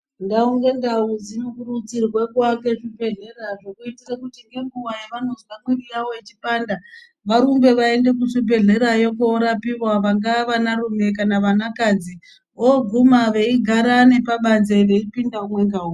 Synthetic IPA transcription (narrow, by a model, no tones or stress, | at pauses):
ndauŋɡe̞ndauzinokurut͡sirwe̞kwake̞ʐupe̞ɮe̞raʐo̞kuitirakutiŋɡe̞ŋɡuʋajeʋanoziʋamwirijaʋoet͡ʃipaːnda | ʋaɾumbe̞ʋae̞nde̞k̬uʂube̞ɮe̞ɾajo̞koɾapiwwaʋaŋɡaʋanarume̞kanaʋanakaːd͡zi | oɡʱumaʋe̞iɡʱaɾane̞paɓanze̞ʋe̞ipindaumwe̞ŋɡauː